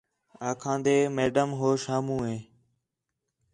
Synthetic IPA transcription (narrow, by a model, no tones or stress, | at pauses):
aːkʰãːnd̪eːmeːɖəmɦoːʃaːmũːɦẽː